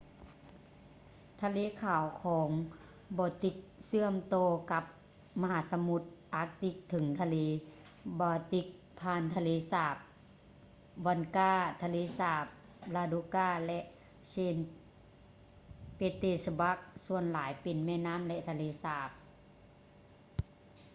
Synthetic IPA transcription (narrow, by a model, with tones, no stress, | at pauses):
t̪ʰa˧leː˧˥˨kʰaː˨˩wkʰɔː˨˦ŋ | bɔː˧˦t̪i˧˦k̚sɯ˧˥˨əmt̪ɔː˧ka˧˦p̚ | ma˧ɦaː˨˦sa˧mu˧˦t̪̚ʔaː˧˦k̚t̪i˧˦k̚t̪ʰɯ˨˦ŋt̪ʰa˧leː˧˦ | baː˧t̪i˧˦k̚ | pʰaː˧˨nt̪ʰa˧leː˧˨saː˧˩p̚ | wa˧˨nkaː˧˥˩t̪ʰa˧leː˧˥˨saː˧˩p̚ | laː˧du˧˦kaː˧˥˩lɛ˧ʔ | seː˧˩n | peː˧˥t̪eː˧˩sa˧ba˧˥k̚su˧˨ənlaː˨˦jpe˨nmɛː˧˥˨naː˧˥˨mlɛ˧ʔt̪ʰa˧leː˧˥˨saː˧˩p̚